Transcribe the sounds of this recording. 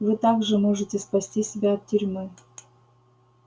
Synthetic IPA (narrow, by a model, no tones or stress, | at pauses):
vɨt̪aɡʐɨmoʐɨtʲɪspɐsʲtʲisʲɪbʲaɐt̪̚tʲʏɾʲmɨ